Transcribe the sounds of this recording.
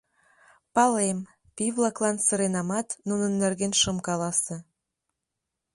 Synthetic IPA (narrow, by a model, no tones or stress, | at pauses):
pɑlem | piβlɑklɑnsəɾenɑmɑt̪nunənːerɣenʃəmkɑlɑse